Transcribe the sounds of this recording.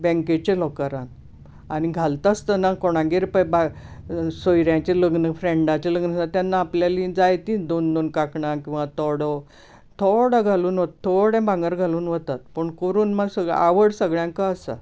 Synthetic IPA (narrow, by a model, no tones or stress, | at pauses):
bɛ̃ŋket͡ɕelɔkəɾãn | aniɡʱalt̪ast̪ənakɔɽ̃ãɡiɾpəba | sojɾjãt͡ɕeləɡnəfɾẽɳɖat͡ɕeləɡnəsat̪janːaːpljalĩd͡zajt̪ĩːd̪ond̪onkakɳakĩw̃ʋat̪ɔɽɔ | t̪ʰoɽəɡʱaluːnʋət̪ʰːoɽẽbãŋɡəɾɡʱaluːnʋət̪at̪̚pəɳkoɾuːnməɡsəa̰ʋəɽsəɡɭjãŋkaːsə̰